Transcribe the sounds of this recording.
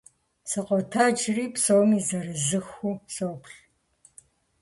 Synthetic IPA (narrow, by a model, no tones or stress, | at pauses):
sɐqʷɔtʰaːd͡ʒʰriːpsowmiːzɐɾɨzɨxuːsowpʰɬ